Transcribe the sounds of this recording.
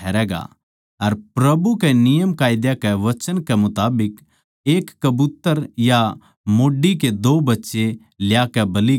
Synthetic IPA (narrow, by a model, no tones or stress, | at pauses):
ɛːɾɛːɡa̰ | ɐɾpɾɐbukɛnɪjəmkaːɪd̪jakɛʋɐt͡ʃənkɛmʊt̪aːbɪk | eːkːɐbut̪ːəɾja | moːɖik̬ed̪oːbɐtːʃe | ljaːkɛbɐli